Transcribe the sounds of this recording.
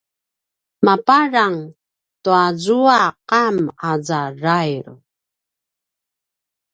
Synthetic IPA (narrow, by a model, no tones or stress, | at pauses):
mapaɾaŋ | tuazuaqamazarajɾ